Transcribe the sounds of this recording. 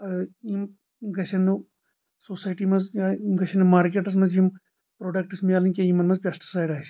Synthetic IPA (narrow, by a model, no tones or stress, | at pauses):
ɐim | ɡɐt͡ʃʰɐnɨ | sosaːjʈimɐzɡɐt͡ʃʰɐnɐmaːɾkʲeʈɐs̬mɐzim | pɾoːɖɐk̚ʈɐsmijaːlɐnkʲɐjimɐnmɐzpʲɐsʈi̥saːjɖaːs